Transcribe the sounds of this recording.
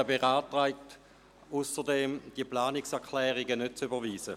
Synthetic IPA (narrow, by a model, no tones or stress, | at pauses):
beʁaːtʁaɪk̚t | usəʁdemd̥iəplaːniksɛɐkʰlɛːʁiɡənøt̚t͡sybəʋiːsə